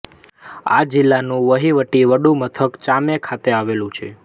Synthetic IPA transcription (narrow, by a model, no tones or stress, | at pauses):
a̰d͡ʒilːanũʋəɦiʋəʈiʋəɖũmət̪ʰəkt͡ʃamekʰat̪eaʋelũt͡ʃʰe